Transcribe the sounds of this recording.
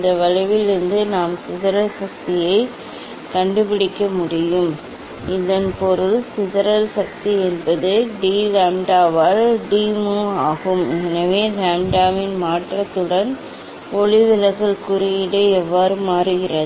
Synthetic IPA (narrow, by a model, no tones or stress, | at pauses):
ɪnd̪ɐʋɐɻɐɪʋɪlɪɾɯnd̪ɯnaːmsɪðɐɾɐlsɐk̚t̪ɪjɐɪ | kɐɳɖɯpɪɽɪkːɐmʊɽɪjɯm | ɪðɐnpɔɾɯɭsɪðɐɾɐlsɐk̚t̪iɛnbɐðɯɖiːlaːmɖaːʋaːɾɖiːmoːaːɣɯmɛnɐʋeːlaːmɖaːʋɪnmaːʈrɐt̪ːɯɽɐn | ɔɭɪʋɪlɐɣɐɭkʊɾɐjɪɽeɛʋːaːɾɯmaːɾɯɣɪrɐð